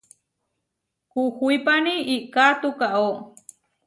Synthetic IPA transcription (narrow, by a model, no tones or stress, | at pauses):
kuxuipaniʔiʔkat̪ukaʔo